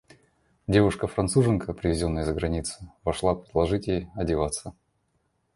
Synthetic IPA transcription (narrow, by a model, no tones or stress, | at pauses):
dʲe̞vʊʂkəfɾɐnt̪suʐɨnkəpɾʲɪvʲɪzʲo̞nːəjəzəɡɾɐnʲit̪sɨ̥vɐʂlˠapɾʲɪd̪lˠɐʐɨtʲɪɐdʲɪvat̪sə